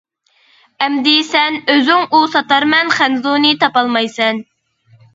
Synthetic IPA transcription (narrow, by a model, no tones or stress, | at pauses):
ɛmd̪ɪsɛnøzyŋusɑt̪ɑɾmɛnχænzunɨt̪ɑpɑlˠmɑjsɛn